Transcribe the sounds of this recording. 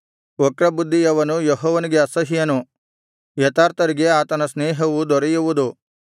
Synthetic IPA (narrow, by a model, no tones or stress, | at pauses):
ɔkɾɐbud̪ʱːiɐʋɐnujeɦɔːʋɐniɡeɐsɐɦijɐnu | jɐt̪aːɾt̪ɐɾiɡe̞aːt̪ɐnɐsneːɦɐʋud̪ɔɾejuʋud̪u